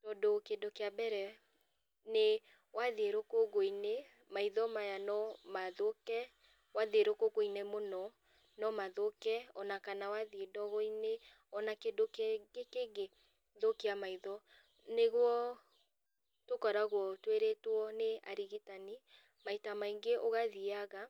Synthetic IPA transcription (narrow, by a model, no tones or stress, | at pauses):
tɔdokedokejabɛɾɛ | ne | waðeɾokoɣoine | maiðɔmajanɔmaðokɛ | waðeɾokoɣoinemonɔ | nɔmaðokɛɔnakanawaðiedɔɣɔine | ɔnakedokekeɡe | ðokiamaiðɔ | neɣwɔ | tokɔɾaɣwɔtweɾetwɔnea̰ɾiɣitani | maitamaiŋɡeʔoɣaðiaɣa